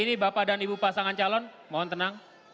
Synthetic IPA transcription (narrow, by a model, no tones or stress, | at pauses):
inibapadanibupasaŋant͡ʃalɔn | maɔnt̪ənaŋ